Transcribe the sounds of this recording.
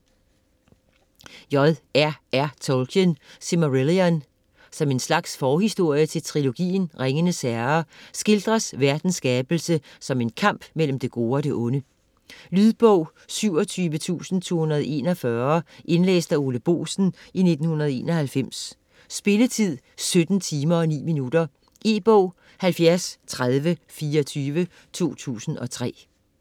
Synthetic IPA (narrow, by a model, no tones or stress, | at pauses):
jɒ̽ðˠæɐæɐt͡sʰolkʰənsemoʁeliæn | sɒ̽me̝nslɑ̈ɡ̥sfɒːhisd̥o̝ɐ̰jət͡sʰe̝lt͡sʰʁilo̝ɡ̥ḭːn̩ʁeŋənəsæɐɐsɡ̥e̝ld̥ʁɐsʋæɐd̥n̩sɡ̥ɛːb̥l̩səsɒ̽me̝nkʰɑ̈m̰b̥mel̰m̩d̥e̝ɡ̥o̝ːɒ̽ɾ̥e̝ʔɔ̽nə | lyðˠb̥ɔʊ̰ | syʊ̰ɒt͡sʰyːʋət͡sʰṵːsn̩t͡sʰo̝̰ːhunɐð̞̩ˠe̝ːnɒfɶɐʔe̝nlḛːsd̥æo̝ːləb̥o̝̰ːsn̩ine̝d̥n̩hunʁɐð̞ˠe̝̰ːnɒ̽hælfem̰sː | b̥e̝lət͡sʰið̞̰ˠ | sød̥n̩t͡sʰiːmɐɒ̽nḭːminud̥ɐ | ʔe̝̰ːb̥ɔʊ̰ | hælfjæɐst͡sʰʁað̞ˠʋəfiːɐɒt͡sʰyːʋə | t͡sʰo̝̰ːt͡sʰṵːsn̩ʔɒ̽t͡sʰʁɛ̰ː